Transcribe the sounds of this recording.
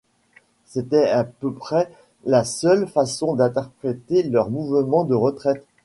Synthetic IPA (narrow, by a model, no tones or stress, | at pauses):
set̪ɛapøpχɛ | lasœlfasɔ̃d̪ɛ̃t̪ɛʁpχet̪elœʁmuvmɑ̃d̪əʁət̪χɛt̪